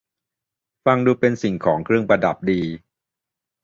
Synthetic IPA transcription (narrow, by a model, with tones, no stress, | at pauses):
fa˧ŋduː˧pe˧nsi˨˩ŋkʰɔː˩˦ŋkʰɾɯ˥˩əŋpɾa˧da̰˨˩p̚diː˧